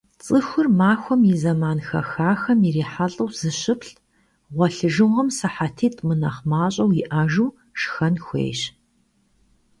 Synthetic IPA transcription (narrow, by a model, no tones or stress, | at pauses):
t͡sʼɨxʷʊrmaːxʷɔmizɐmaːnxɐ̰xaːxɐmiriːħaɬʼɐwz̥ɨɕɨpɬ | ʁʷɔɬɨʒɨʁɐmsɐħatʰeːtʼmɨnɐχmaːɕʼɐwjɪʔaːʒuː | ʃxɐnxʷḛːɕ